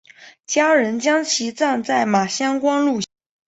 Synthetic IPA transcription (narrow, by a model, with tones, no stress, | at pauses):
t͡ɕja˥ɻə˧˥nt͡ɕjɑ˥ŋt͡ɕʰi˧˥t͡sa˥˧nt͡sa˥˩ɪma˨˩ɕjɑ˥ŋkwɑ˥ŋlu˥˧